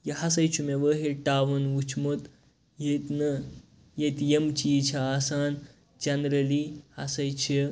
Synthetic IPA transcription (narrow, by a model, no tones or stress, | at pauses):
jɐhɐsɐjt͡ʃʰumeʋəɦeʈaːʋɐnʋut͡ʃʰmot̪ | jet̪nɐ | jet̪jemt͡ʃit͡ʃʰɐaːsaːn | d͡ʒɐnɾɐlihɐsɐjt͡ʃʰi